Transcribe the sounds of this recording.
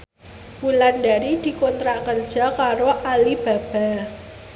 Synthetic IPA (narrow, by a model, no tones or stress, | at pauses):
wulandaɾid̪̥i̤kɔnt̪ɾaʔkərd̥ʒ̥a̤kaɾoʔalib̥a̤b̥a̤